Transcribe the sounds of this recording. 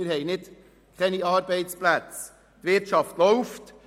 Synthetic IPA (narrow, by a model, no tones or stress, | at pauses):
ɪɾhɛjnɪd | kʰχɛniɑːɾbɛɪt͡splæt͡s | tʋɪɾtʃɑftlɔʊft